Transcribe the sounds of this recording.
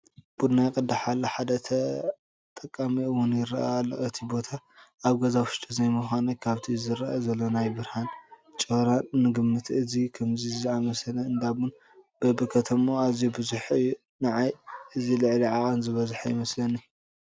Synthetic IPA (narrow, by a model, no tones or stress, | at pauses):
b̥ud̪najkʼɨd̪aħalːɐħad̪ɐt̪ʰɐ | t̪ʼɐkʼːamiɨwːʊnjɪɾa̰ʔalːoʔɨt̪ʰibo̞t̪ʰa | aβɡɐzawʊʃt̪ʰʼizajmuxʷanikʰaβt̪ʰizɨɾaʔazɐlːo̞najbɨɾhan | t͡ʃʼɨhɾaːɨɡɨmːɨt̪ʰɨzikʰɐmziziamɐsɐlɐɨnd̪aβun | b̥ɐbɨkʰɐt̪ʰɐmoazijubɨzuħɨju | nɐʕajɨzilɨʕliʕaʔʼɐnzɨβɐzħajɪmɐslɐni